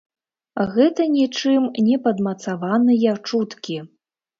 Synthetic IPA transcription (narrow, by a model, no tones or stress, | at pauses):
ɣɛt̪ɐnʲit͡ʂɨmnʲɛpɐd̪mɐt̪savanɨjɐt͡ʂut̪kʲi